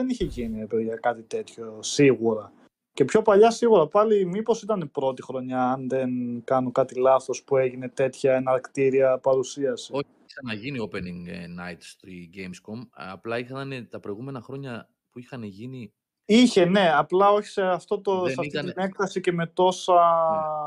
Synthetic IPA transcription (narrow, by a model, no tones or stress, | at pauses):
ðeniçeʝiniepeðʝɐkɐt̪it̪e̞t̪ço̞siɣuɾɐ | ce̞pço̞pɐʎɐsiɣuɾɐpɐlimipo̞sit̪ɐnepɾo̞t̪ixɾo̞ɲɐːnðe̞nkɐnokɐt̪ilɐθo̞spue̞ʝine̞t̪e̞t̪çɐenɐɾkt̪iɾiɐpɐɾusiɐsi̥oçisɐnɐʝiniopeniŋɡnɐjt̪st̪iɟejmskomɐ̰plɐixɐnet̪ɐpɾo̞jɣume̞nɐxɾo̞ɲɐ | puixɐneʝini | içe̞ne̞ɐplɐo̞çi̥seɐft̪o̞t̪ossɐfoot̪ine̞kθɐsice̞me̞t̪o̞sɐ